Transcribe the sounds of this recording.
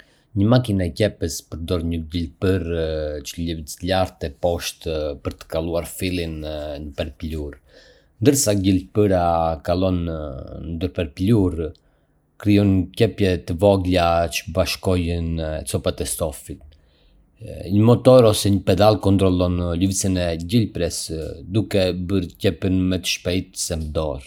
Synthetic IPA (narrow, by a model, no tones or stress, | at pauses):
ɲəmakinaɛcɛpəspəɾd̪ɔɾɲəɟilpəɾt͡ʃəʎəvit͡slaɾt̪ɛpɔʃt̪pəɾt̪ə̥kalˠuaɾfilinnəpɛɾpluɾ | nd̪əɾsaɟilpəɾakalˠɔnnd̪əɾpɛɾpluɾ | kɾijɔncɛpjɛt̪əvɔɡlat͡ʃə̥baʃkɔjənɛt͡sɔpat̪ɛst̪ɔfit̪̚ | ɲəmɔt̪ɔɾɔsɛɲəpɛd̪alˠkɔnt̪ɾɔlˠɔnluvsinɛɟilpɾɛsd̪ukɛbəɾcɛpənmɛt̪ə̥ʃpɛjt̪sɛmd̪ɔɾ